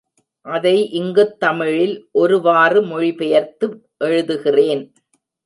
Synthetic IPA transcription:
ʔɐðɐɪʔɪŋɡɯt̪ːɐmɪɻɪlʔɔɾɯʋaːrɯmɔɻɪpɛjɐɾt̪ɯ | ʔɛɻɯðɯɣɪreːn

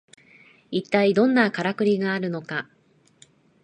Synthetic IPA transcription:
it̪ːaid̪õ̞nːakaɾakɯ̟ɾʲiɡaːɾɯ̟no̞ka

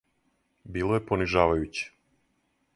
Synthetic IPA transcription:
biːlˠojeponiʒaːʋajut͡ɕe̥

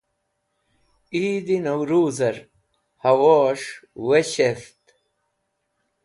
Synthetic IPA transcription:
iːd̪inɐwɾuːzɐɾ | hɐwoːʂweɕest̪

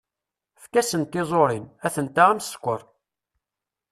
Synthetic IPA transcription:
fkæsənt̪ːɪzˤoɾˤinæθənt̪aæmsə̥kʷːəɾˤ

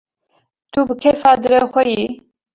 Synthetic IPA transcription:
t̪ubɨkʰɛfaːd̪ɨɾɛxʷɛji

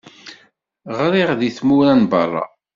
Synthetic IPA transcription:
ʁɾˤiʁðiθmuɾænbɑrˤɑ̰

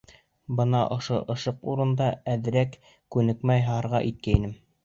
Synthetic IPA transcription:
bɤnɑʔŏʃoʔɤ̆ʃɤquɾɤ̆nd̪ɑæðɘ̆ɾæk | kʉnɘ̆kmæjɦɑɾʁɑʔit̪̚kæinɘm

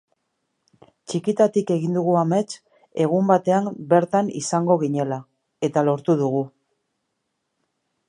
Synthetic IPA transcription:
t͡ʃikit̪at̪ike̞ɣ̞ind̪uɣuame̞t͡s | e̞ɣ̞umbat̪e̞ambe̞ɾt̪anḭsaŋɡo̞ɣ̞iɲe̞la | e̞t̪alo̞ɾt̪uðuɣu

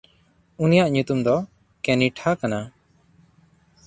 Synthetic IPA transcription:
unijaʔɲut̪umd̪ɔ | kɛniʈʰakana

